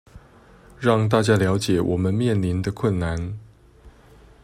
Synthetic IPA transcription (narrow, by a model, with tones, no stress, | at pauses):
ɻɑ˥˧ŋt̪̬a˥˧t͡ɕja˥˩ljɑ˧˥ʊt͡ɕjɛ˨˩˦wɔ˨˩mə˦nmjɛ˥˩nli˧˥nd̪ə˧kʰwə˥˩nna˧˥n